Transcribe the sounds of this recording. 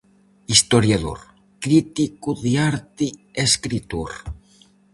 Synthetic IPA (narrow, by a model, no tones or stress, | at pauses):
ist̪oɾjaðo̰ɾ | kɾit̪ikuðiaɾt̪ieskɾit̪uɾ